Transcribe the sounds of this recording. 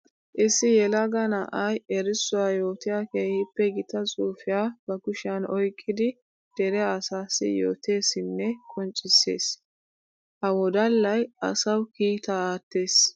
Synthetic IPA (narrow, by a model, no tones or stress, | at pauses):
ʔɪsːɪjɛlɐɡɐnɐʔɐjɛɾɪsːʊwajo̞ːt̪ɪjaːkeːhɪpːɛɡɪt̪ɐt͡sʼuːfɪjaːb̥ɐɡʊʃanɔjkʼːɪd̪ɪ | d̪̥ɛɾɛːsaːsːɪ̰jo̰ːt̪e̞ːsɪnːɛkʼɔnt͡ʃʼːɪsːḛːs | hɐwɔd̪ɐlːɐjɐ̰sɐwkiːt̪aaːt̪ːeːs